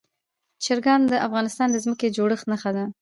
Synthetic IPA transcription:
t͡ʃɪɾɡɑnd̪əʔafɣɑnɪst̪ɑnd̪əzməked͡ʒoɽəxnaxad̪a

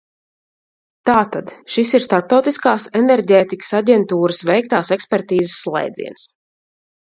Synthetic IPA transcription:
t̪aːt̪ad̪̥ʃisiɾst̪aɾp̚t̪awt̪iskaːsɛnɛɾɟeːt̪ikə̥saɟʲɛnt̪uːɾəsvɛjk̚t̪aːsɛkspɛɾt̪iːzəsːlˠɛ̰jd̪zḭɛns

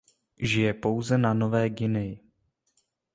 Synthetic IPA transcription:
ʒɪjɛpo̞wzɛnano̞vɛːɡɪnɪɪ

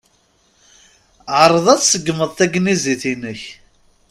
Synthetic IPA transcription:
ʕəɾˤəðˤæt͡ssəɡːməðˤθæɡniziθinəç

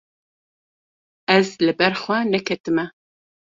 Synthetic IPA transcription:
ɛzlɨbɛɾxwɛnɛkʰɛt̪ɨmɛ

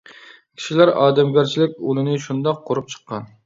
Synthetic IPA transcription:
kʲʰi̥ʃilæɾɑ̰ːd̪ɛmɡʲæɾt͡ʃʰilɪkʲulɪnɪʃund̪ɑqʰːoɾup̚t͡ʃʰə̥qʰːɑn

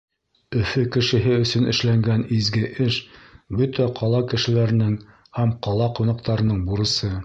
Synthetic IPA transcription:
ɵ̆fɵkɘ̆ʃɘ̆ɦɘɵ̆sɵ̆nɘ̆ʃlæŋɡænizɡɘʔɘʃbɵt̪æqʰɑlˠɑkɘ̆ʃɘ̆læɾɘ̆nɘŋ | hæmqɑlˠɑqunɑq̚t̪ɑɾɤ̆nɤɴbuɾɤ̆sɤ

